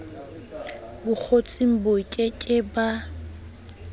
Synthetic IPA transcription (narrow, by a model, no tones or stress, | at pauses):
bʊk͡xʰot͡sʼim̩bokʼekʼɪba